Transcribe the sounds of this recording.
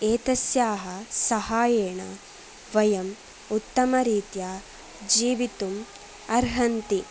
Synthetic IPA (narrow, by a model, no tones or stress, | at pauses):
eːt̪ɐsjaːɦɐsɐɦaːjeːɳɐ̰ | ʋɐjɐm | ut̪ːɐmɐɾiːt̪jaː | d͡ʒiːʋit̪um | ɐɾɦɐnt̪i